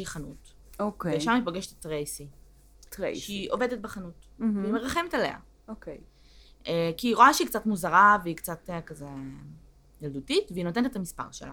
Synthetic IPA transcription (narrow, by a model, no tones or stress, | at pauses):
iχanut | okeveʃamipaɡeʃettʁejsi | tḛʃeiʔo̞ve̞det̚beχanutveimeʁaχe̞metale̞̰a̰ | okej | ekiːʁoaʃeiːkt͡satmuzaʁaveikt͡satekaze | jaldutitveinot̬enet̪etamispa̰ʁʃela̰